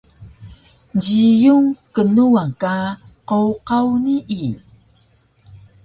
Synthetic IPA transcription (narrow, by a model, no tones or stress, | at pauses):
ɟijuŋkənuaka | qowqawniʔi